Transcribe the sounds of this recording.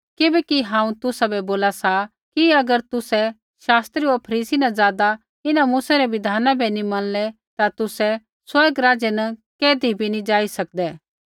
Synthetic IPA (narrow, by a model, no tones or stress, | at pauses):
kɪbɛkiɦãːũt̪ʊsabɛboːlasa | kiɐɡəɾt̪ʊsɛ | ʃaːst̪ɾioɾpʰɐɾiːsinɐzaːd̪a | ɪnamuːsaɾɛbɪd̪ʱaːnabʱɛnimɐnlɛ | t̪at̪ʊsɛ | swɐɾɡɾaːd͡ʒɛnɐkeːd̪ʱibʱinĩd͡ʒaːisɐk̚d̪ɛː